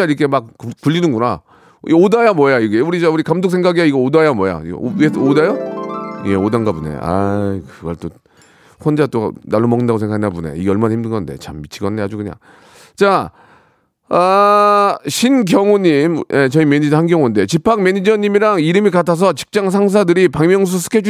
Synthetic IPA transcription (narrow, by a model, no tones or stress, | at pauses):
aiɾɯkʰe̞mak̚puʎːinɯnɡuna | iodajamwʌjaiɡe̞uɾiauɾikamdok̚sʰeŋɡaɡiaiɡʌodajamwʌja̰ḭweodajo | jeodanɡapunḛa̰jkɯɡʌɭt͈o | ɸond͡ʑat͈onaɭːomʌŋɯndaɡosʰeŋɡakʰnabune̞̰iɡeʌɭmanaçʰimdɯnɡʌnde̞̰t͡ɕamːit͡ɕʰiɡʌndehad͡ʑuɡɯɲa̰ | t͡ɕa | a | ɕʰinɡjʌŋuɲimjʔet͡ɕʌimeɲid͡ʑhanɡjʌŋunde̞t͡ɕipʰaŋme̞ɲid͡ʑʌɲimiɾaŋiɾɯmikatʰas̬ʰʌt͡ɕi̥p̚t͡ɕ͈aŋsʰaŋs̬ʰadɯɾipaŋmjʌŋs̬ʰusʰɯ̥kʰed͡ʑ